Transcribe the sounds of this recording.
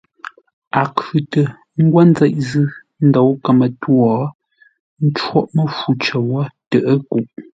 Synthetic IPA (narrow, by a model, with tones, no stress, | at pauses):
a˨kʉ˨tə˨ | ŋ̩˦ɡwa˦n˦d͡zɛ˦˨ʔ̚zɨ˦ | n̩˦dɔ˨˦wkə˨mə˨twɔ˨ | n̩˦t͡ʃwɔ˦ʔmə˦fu˨t͡ʃə˨wɔ˦tə˨ʔə˦ku˨ʔ